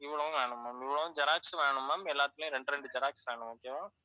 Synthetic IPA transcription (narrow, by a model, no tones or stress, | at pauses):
ɪʋːɪɭɐʋʊ̃ʋeːɳɯmːaːmɪʋːɪɭɐʋʊ̃d͡ʒɐɾaːksʋeːɳɯmːaːmɛlːaːt̪ːɪlʊ̃jʊ̃ɾɛɳɖɯɾɛɳɖɯd͡ʒɐɾaːksʋeːɳɯmoːkeːʋaː